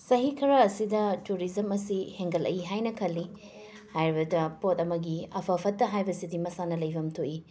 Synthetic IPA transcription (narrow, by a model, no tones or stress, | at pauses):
sɐɦikʰɐɾaːsidɐtuɾizɐmɐsiheŋɡɐlʔɐ̰iɦajnɐkʰɐlːi | hajɾibɐdɐpotɐmɐɡiɐpʰɐpʰɐtːɐɦajbɐsidimɐsanɐlɐjbʱɐmtʰoʔi